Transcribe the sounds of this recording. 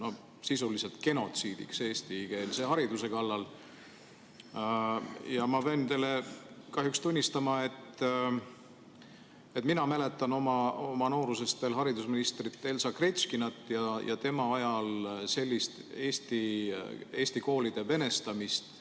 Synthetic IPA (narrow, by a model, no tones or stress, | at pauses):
no̞ | sisulise̞lt̪ke̞no̞t̪siːd̪̥ḭkseːst̪ike̞ːlseɦɑɾid̪use̞kɑlːɑl | jɑmɑpent̪elːe | kɑɦjukst̪unʲːist̪ɑmɑe̞t̪ː | e̞t̪minɑmæle̞t̪ːˑɑno̞mɑo̞mɑno̞ːɾuse̞st̪e̞lɦɑɾid̪usminist̪rit̪ːˑe̞lsɑkre̞t̪skinɑt̪ːˑjɑjɑ̰t̪e̞mɑɑjɑlse̞lʲːist̪eːst̪i | e̞ːst̪iko̞ːlid̪̥e̞ve̞ne̞st̪ɑmist̪